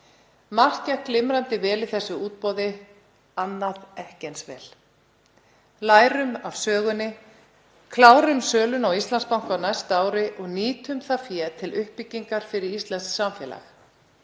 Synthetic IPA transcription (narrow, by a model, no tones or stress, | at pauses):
mar̥cahklɪmɾant̪ɪvɛːlɪθɛsːʏuːt̪̚pɔwðɪ | anːaðɛhcɛnsvɛ̰ːl | laːjɾʏmav̥sœːɣʏnːɪ | kʰlaːwɾʏmsœːlʏnawist̪lanspawŋ̥kawnajst̪aːwɾɪʔɔɣniːt̪ʏmθafjɛːt̪ʰɪlʏhpːɪcːiŋkaɾ̥fɪɾɪɾist̪lɛnsksamfjɛ̰ːla̰x